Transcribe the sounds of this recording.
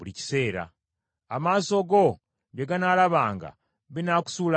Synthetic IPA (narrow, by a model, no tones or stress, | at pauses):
ulici̥se̞ːɾa̰ | amaːso̞ɡo̞ | βjeɡanaːlaβaːŋɡa̰ | βinaku̥suːla